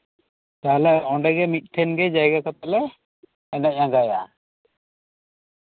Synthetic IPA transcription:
t̪aɦlɛʔɔɳɖɛɡɛmit̪̚ʈʰɛnɡɛd͡ʒajɡakɔt̪aʔlɛ | ɛnaʔ̚ãɡaja

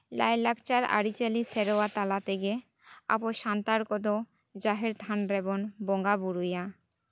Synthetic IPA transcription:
lajlakt͡ɕaɾa̰ɾit͡ɕaliseɾoat̪alat̪eɡe | a̰poʃant̪aɾkɔd̪o | d͡ʑaɦeɾt̪ʰanɾebonboŋɡabuɾuja

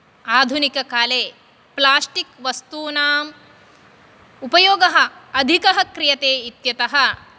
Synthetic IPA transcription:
aːd̪ʱunikɐkaːleː | plaːsʈikʋɐst̪uːnaːm | upɐjoːɡɐɦɐ̆ɐd̪ʱikɐɦɐkɾijɐt̪eːit̪jɐt̪ɐɦɐ̆

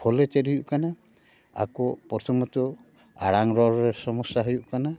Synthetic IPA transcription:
pʰɔlɛteɾijuʔkana | a̰kɔpɔɾtʰɔmɔtɔ | aɽaŋɾɔɾɔɾɛsɔmɔsːaɦujuʔkana

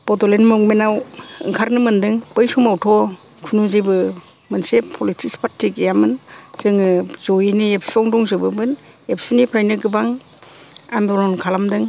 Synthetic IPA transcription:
pɔtɔlenmɯŋmenawɯ̰ŋkʰaɾnɯmɯndɯŋpəjsumawtʰɔ | kʰunuzɯjbɯ | mɯnsepʰɔlitʰikspʰatʰːikjamɯnz̥ɯŋɯzojinɯep̚sɔŋdɔŋzɯbɯbɯn | ep̚sunipʰɾajnɯɡɯbaŋ | a̰ndɔɾɔnkʰalamdɯŋ

